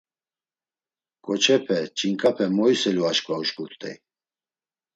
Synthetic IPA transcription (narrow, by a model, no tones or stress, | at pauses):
kʼɔt͡ʃʰɛpʰɛt͡ʃʼiŋkʼapʰɛmɔjsɛluaʃkʼvauʃkʰʼut̪ʼɛ̰j